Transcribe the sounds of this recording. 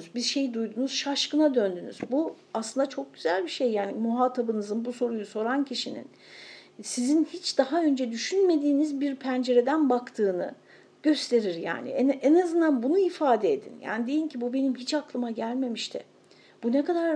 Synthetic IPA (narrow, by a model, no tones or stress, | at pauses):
zbizʃe̞jd̪ujd̪unuz̥ʃaʃkɯnad̪ønd̪ynyzbu | aslɯnd̪at͡ʃʰo̞k̚ɟ̥yzælʲbiʃe̞jːaːnimuɦaːt̪ʰabɯnɯzɯnbuso̞ɾujuso̞ɾancʰiʃinḭn | sizinhit͡ʃd̪aɦaø̞nd͡ʒɛd̪yʃynme̞d̪iːnizbiɾpʰænd͡ʒe̞ɾe̞d̪ænbakt̪ʰɯːnɯ | ɟ̥ø̞st̪ʰe̞ɾiɾja̰ːnḭɛʔɛnazɯnd̪anbunuifaːd̪eed̪ḭnja̰ːnid̪e̞jincʰibube̞nimɦit͡ʃaklˠɯmaɟælʲme̞miʃt̪ʰɪ̰ | b̥unekad̪aɾ